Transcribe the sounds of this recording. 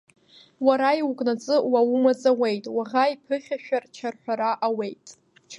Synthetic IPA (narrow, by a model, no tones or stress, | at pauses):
waɾaiwukʼnat͡sʼɨwawʊmat͡sʼawe̞jtʼwaʁaipʰɨχʲᶣaʃᶣart͡ʃʰarħᶣʷaɾaʔawe̞jtʼ